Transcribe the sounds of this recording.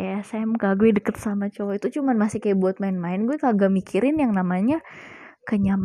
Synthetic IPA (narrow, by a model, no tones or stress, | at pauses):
sɛmkaɡuɛdəkət̪̚samat͡ʃowait̪ut͡ʃumanmasikajabuat̪̚maɪnmaɪnɡuwɛkaɡamikiɾɪnjaŋnamaɲa | kəɲam